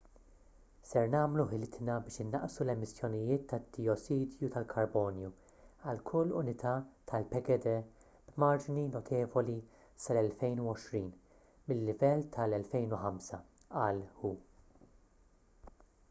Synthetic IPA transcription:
sɛɾnɐːmluħɪlɪt̪nɐbɪːʃɪnːɐ̰ʔsulɛmɪsːjɔnɪjɪːt̪ːɐd̪iɔsiːd̪jut̪ɐlkʰɐɾbɔːnju | ɐlkʰʊlːʊ̰nɪt̪ʰɐt̪ʰɐlpɛɡɛd̪ɛ | b̥mɐɾd͡ʒninɔt̪ʰɛːvɔli | sɐlɛlfɛjnuwɔʃɾiːn | mɪlːɪvɛlːt̪ʰɐlɛlfɛjnuħɐmsɐ | ɐlhuː

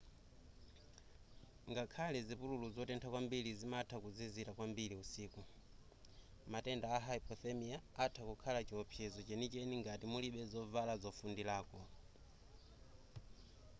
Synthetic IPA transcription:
ŋɡakʰalɛzipululuzɔtɛntʰakwambilizimatʰakuzizitakwambiliusiːku | matɛndaːɦaipʰɔθɛmiaːtʰakukʰalat͡ʃiɔpʰjɛzɔt͡ʃɛnit͡ʃɛniŋɡatimuliɓɛzɔvalazɔfundilaːkɔ

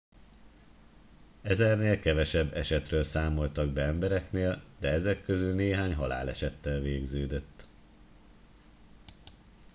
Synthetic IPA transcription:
ɛzɛrneːlkɛvɛʃɛbːɛʃɛt̪røːlsaːmo̞lt̪ɒɡ̚bɛɛmbɛɾɛkneːld̪̥ɛɛzɛkːøzylneːɦaːɲɦɒla̰ːlɛ̰ʃɛt̪ːɛlveːɡzøːd̪øt̪ː

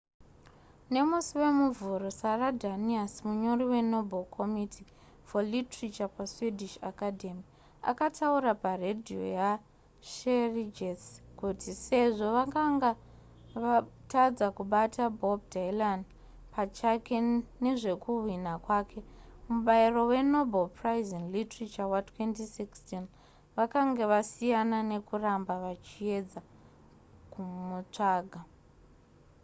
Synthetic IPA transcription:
ne̞musiwe̞muvuɾosaradʱaniasmuɲo̞ɾiwe̞no̞bʱolkʰo̞mitʰi | folitrit͡ʃapaswidʱiʃakadʱe̞mi | a̰katʰauɾaparedʱio̞̰ja | ʃerid͡ʒeskutise̞ʐo̞ʋakaŋɡa | ʋatad͡zakuɓatʰabʱo̞b̚dʱajlan | pat͡ʃake̞ne̞ʐe̞kuwwinakwaːkʰe̞muɓairo̞we̞no̞balpraizinlitrit͡ʃawatwentisikstin | ʋakaŋɡe̞ʋasijanane̞kurambaʋat͡ʃie̞d͡za | kumut͡ʂaːɡʱa

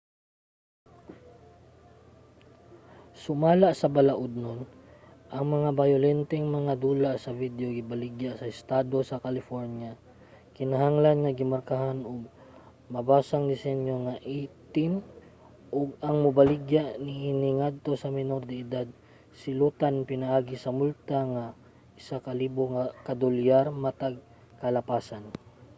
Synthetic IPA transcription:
sʊmaːlaʔsɐbɐlaʔʊd̪̚non | ʔɐŋmɐŋabajʊlɛnt̪ɛŋmɐŋad̪uːlaʔsɐvid̪joɡɪbalɪɡjaʔsɐʔɪst̪aːd̪o̞sɐkɐlɪfoɹnja | kɪnɐɦaŋlanŋɐɡɪmaɾkaɦanʊɡ̚ | mɐbaːsaŋd̪ɪsɛnjo̞ŋaʔit̪ɪn | ʔoɡ̚ɐŋmʊbalɪɡjaʔnɪʔɪnɪŋad̪̚t̪o̞sɐmɪnoɾd̪ɪɪd̪ad̪̚ | sɪlut̪anpɪnɐʔaːɡɪsɐmult̪aŋa | ʔɪsakɐliːboŋakɐd̪ʊljaɾmɐt̪aɡ̚ | kɐlɐpaːsan

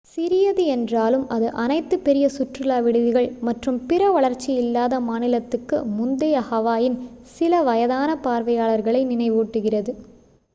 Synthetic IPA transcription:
sɪɾɪjɐðɯɛndraːlɯmɐðɯʔɐnɐɪt̪ːɯpːɛɾɪjɐsʊʈrɯlaːʋɪɽɯðɪɣɐɭmɐʈrɯmpɪɾɐʋɐɭɐɾt͡ʃːiɪlːaːðɐmaːnɪlɐt̪ːɯkːɯmʊnd̪ɐjɐhɐʋaːjɪnsɪlɐʋɐjɐðaːnɐpaːɾʋɐjaːɭɐɾɣɐɭɐɪnɪnɐɪʋuːʈːɯɣɪrɐðɯ

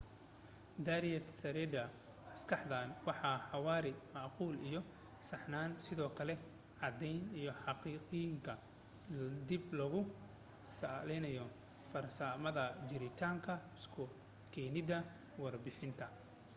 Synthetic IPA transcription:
d̪ɐɾijɛt̪sɐɾɛd̪ɐ | ɐskʰɑħd̪aːnwɑħɑːħɑwɑːɾɪmɑʕquːlijɔ | sɑħnaːnsɪðɔːkʰɐlɛ | ʕɑd̪ɛjnijɔħɑqiːqɪjŋkʰɐ | d̪ɪblɐɣʊ | salɛjnɐjɔ | fɐrsaːmɐðɐd͡ʒɪɾɪt̪ʰaːŋkʰɐɪskʰʊ | kʰɛːnɪdɐ | wɑrbɪħɪnt̪ʰɐ

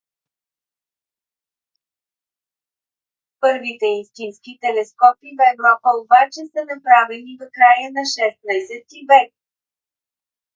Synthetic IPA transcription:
pɤɾvit̪ɛinst̪inskit̪ɛlɛskɔpivɛvɾɔpəobat͡ʃɛsənɐpɾavilid̪okɾajənɐʃɛst̪̚najsɛt̪ivɛk̚

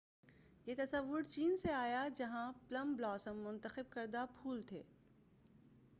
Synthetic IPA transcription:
jeːt̪ɐsəʋːʊɾt͡ʃiːnseaːjad͡ʒɐɦãplɐ̃mblɔːsəmːʊ̃nt̪əxɪb̚kɐɾd̪apʰuːlt̪ʰḛː

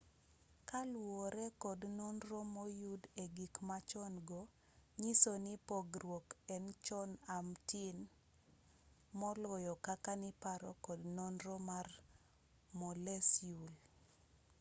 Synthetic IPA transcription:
kalwɔɾɛkɔdnɔnrɔmɔjudeɡikmat͡ʃɔnɡɔ | ɲisonɪpoɡrwokɛnt͡ʃɔnamtɪn | mɔlɔjɔkakanɪpaɾɔkɔdnɔnɾɔmar | mɔlɛsjul

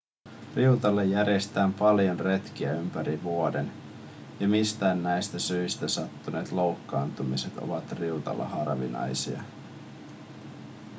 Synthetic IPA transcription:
riut̪ɑlːejːæɾjest̪æːmpɑljo̞nre̞t̪k̟iæympæɾiʋuoden | jɑmist̪æːnːæjst̪æsyist̪æsɑt̪ːune̞ːt̪lo̞wkːɑːnt̪umiset̪o̞̰ʋɑt̪riut̪ɑ̰lːɑ̰hɑrʋḭnɑ̰jsiɑ̰

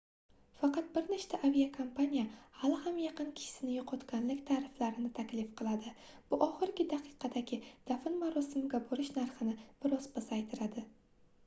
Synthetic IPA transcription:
fɑqɑt̪̚bɪɾnɪʃt̪ʰaʔavijakʰompanʲijahalɪhamjɑqɨnkʲʰɪ̥ʃɪ̥sɪnɪjɒqʰɒt̪kʲanlɪkʲt̪ʰaɾɪflaɾɪnɪt̪ʰakʲlɪfqʰɨlˠad̪ɪ | b̥ʊʔɒχɪɾɡʲɪd̪aqʰɨ̥qʰɑd̪aɡʲɪd̪̥afɪnmaɾɒsɪmɪɡʲaboɾɪʃnaɾχɪnɪb̥ɪɾɒzbasajt̪ʰɪɾad̪ɪ

